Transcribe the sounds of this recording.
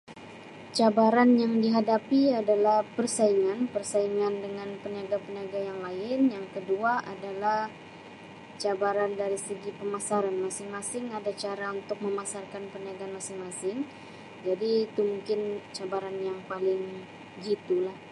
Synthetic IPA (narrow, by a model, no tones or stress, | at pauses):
t͡ʃabaɾanjaŋdiɦadapiadalahpərsaiŋanpərsaiŋandəŋanpəniaɡapəniaɡajaŋlaɪnjaŋkəduaʔadalah | t͡ʃabaɾandaɾisəɡipəmasaɾanmasɪŋmasɪŋadat͡ʃaɾaunt̪ʊk̚məmasarkanpəniaɡanmasɪŋmasɪŋ | d͡ʒadiːt̪umuŋkɪnt͡ʃabaɾanjaŋpalɪŋ | ɡit̪ulah